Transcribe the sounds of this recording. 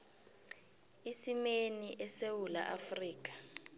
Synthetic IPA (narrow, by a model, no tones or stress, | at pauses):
isimeniʔɛsewula̰ʔafriːk̬ʼḁ